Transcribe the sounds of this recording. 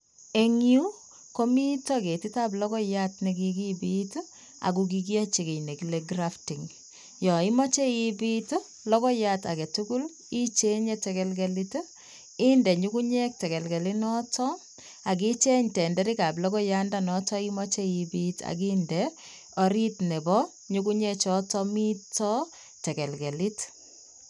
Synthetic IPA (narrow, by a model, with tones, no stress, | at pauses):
e˦ŋju˦ | ko˦mi˦tɔke˨ti˦ta˦b̬lɔ˦kɔ˦jatnɛ˨k̬ikibit | a̰˨k̬uk̬ik̬i˦a˦t͡ʃe˨ke˨jne˨kileɡrafti˨ŋ | jɔ˨i˦mɔ˦t͡ʃe˦ibit | lɔ˦kɔ˦jata̰˨kɛ˨tuku˦l | i˦t͡ʃe˦ɲɛtɛkɛlɡɛlit | i˦ndɛ˨ɲuku˦ɲɛ˦k̚tɛ˨kɛ˨lɡɛ˨lɪnɔ˦tɔ | a˨k̬i˦t͡ʃɛ˦ɲtɛ˨ndɛ˦ɾi˦ka˨blɔ˦kɔ˦ja˦ndanɔ˦tɔ˦i˦mɔ˦t͡ʃɛibita̰˨k̬indɛ | ɔ˨ɾitnɛ˨bɔ˦ | ɲuku˦ɲɛ˦t͡ʃɔ˦tɔmi˦tɔ˦ | tɛ˨kɛ˨lɡɛ˨lɪ˦t